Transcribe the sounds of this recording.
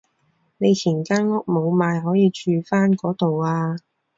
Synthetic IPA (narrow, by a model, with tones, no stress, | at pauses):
ne˨˧jt͡sʰiː˨˩nkaː˥nŋʊ˥k̚mo˨˧wmaː˨˧jɦɔː˨˥jiː˨˧t͡ʃyː˨˧faː˥nkɔː˨˥t̪o˨waː˧